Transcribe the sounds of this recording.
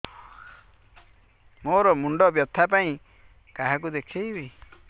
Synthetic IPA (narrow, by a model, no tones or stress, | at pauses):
moɾɔmuɳɖɔbjɔt̪ʰːap̬aĩ | kaɦak̬ud̪ekʰejbi